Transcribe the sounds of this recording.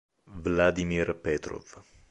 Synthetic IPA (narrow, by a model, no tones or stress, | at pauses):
vlad̪imirpɛt̪ɾo̰v